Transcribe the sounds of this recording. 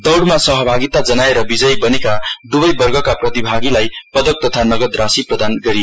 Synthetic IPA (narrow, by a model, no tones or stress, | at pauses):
d̪ʌwɽmasʌɦʌbʱaɡit̪ad͡zʌnaeɾʌbid͡zʌjbʌnekad̪ubʌjbʌrɡʱʌkaprʌt̪ibʱaɡilajpʌd̪ʌk̚t̪ʌt̪ʰanʌɡʌd̪rasiprʌd̪anɡʌɾijo